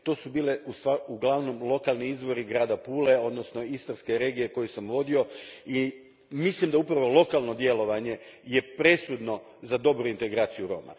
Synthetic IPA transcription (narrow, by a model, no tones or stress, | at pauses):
t̪o̞ːsubiːleust̪ʋauɡlˠaʋno̞mlˠo̞kalˠniizʋo̞ɾiɡɾaːd̪apuːle̞o̞d̪nosno̞ist̪anske̞ɾe̞ːɡije̞ko̞jusamʋo̞d̪io̞i | mislimd̪aupɾaʋo̞lˠo̞kalˠno̞d̪je̞lo̞ʋaɲe̞je̞pɾe̞sud̪no̞ | zad̪o̞bɾuint̪e̞ɡɾaːt̪sijuɾo̞̰ːma̰